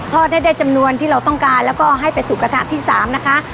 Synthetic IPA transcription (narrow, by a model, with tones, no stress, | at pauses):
t̪ʰɔː˥˩t̪̚ha˥˩jdaː˥˩jt͡ɕa˧mnu˧ənt̪ʰiː˥˩ɾa˧wt̪ɔ˥˩ŋkaː˧nlɛː˦˥wkɔː˥˩ʔɦa˥˩jpa˧jsuː˨˩ka˧t̪ʰa̰˦˧˥t̪ʰiː˥˩saː˩˦mna˦˥kʰa˦˥ʔ